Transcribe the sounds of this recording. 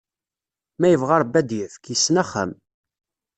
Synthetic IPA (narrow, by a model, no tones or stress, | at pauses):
mæjəvʁaɾˤbːæd̪jəfkjəsːnæχə̰m